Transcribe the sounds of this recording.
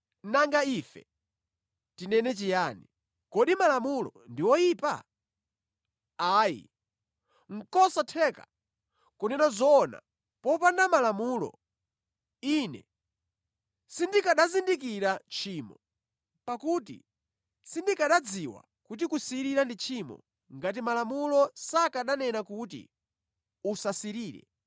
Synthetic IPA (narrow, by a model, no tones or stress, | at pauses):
naŋɡaifɛ̰ | tinɛnɛt͡ʃijaːni | kɔɗimalamulɔ̰ndiwɔjiːpa | aːjḭ | ŋ̩kɔsatʰɛka̰ | kɔnɛnazɔːna̰ | pɔpandamalamuːlɔ̰ | inɛ̰ | sindikaɗazindikiɾat͡ʃʰiːmɔ | pakutḭ | sindikaɗad͡ziwa̰ | kut̬ikusiɾiɾandit͡ʃʰimɔ̰ | ŋɡat̬imalamulɔsakaɗanɛnakut̬ḭ | usasiɾiːɾɛ̰